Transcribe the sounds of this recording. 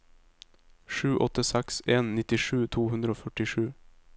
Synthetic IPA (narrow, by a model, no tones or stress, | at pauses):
ʂʉːʔɔt̪ːəsɛkseːnːɪt̪ɪʂʉːt̪ʰuːhʉnd̪ɾəoːfœʈɪʂʉː